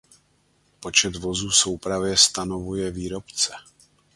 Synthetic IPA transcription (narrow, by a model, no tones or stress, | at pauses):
po̞t͡ʃɛt̪vo̞zuːso̞wpɾavjɛst̪ano̞vujɛviːɾo̞pt͡sɛ